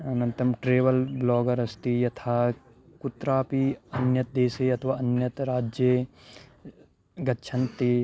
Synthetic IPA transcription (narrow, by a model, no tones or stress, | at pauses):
ɐnɐ̃nt̪ɐmʈɾeːʋəlblɔːɡəɾɐst̪ijɐt̪ʰaː | kʊt̪ɾaːpiɐnjɐt̪̚d̪eːseɐt̪ʰʋaːɐnjɐt̪ɾaːd͡ʒje | ɡɐtːʃʰɐ̃nt̪i